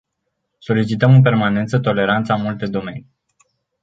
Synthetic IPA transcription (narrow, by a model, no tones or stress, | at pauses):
so̞lit͡ʃit̪əmɨnp̬e̞rmane̞nt̪sət̪o̞le̞ɾant̪samult̪e̞d̪o̞me̞̰ni